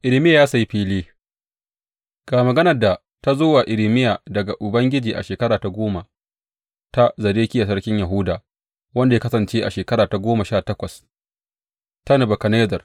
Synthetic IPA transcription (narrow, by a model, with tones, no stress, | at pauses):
ʔɪ˨lɪ˨mɪ˦jaː˨jaː˦sa˨ji˦ɸiː˦liː˦ | ɡ̥aː˨mɐ˨ɡɐ˦nɐ˨rda˨ | ta˦zoː˦waː˨ʔɪ˨lɪ˦mɪ˦jaː˨dɐ˨ɡa˨ʔʊ˨bɐ˦ŋɡʲɪ˦d͡ʒiː˨ʔa̰˨ʃeː˨kɐ˦ɽaː˨ta˨ɡʷoː˦ma˨ | ta˦zɐ˨ɾeː˦kʲi˦ja˨s̬ɐ˦ɽkʲɪ˦ɲja˨ɦʊ˦daː˨ | wɐ˦nda˨ja˦kɐ˦sɐ˨nt͡ʃeː˦ʔa˨ʃeː˨kɐ˦ɾaː˨ta˨ɡʷoː˦ma˨ʃaː˦˨tɐ˦kʷɐ˨s | ta˦nɐ˨bɐ˨kɐ˨neː˦zɐ˨r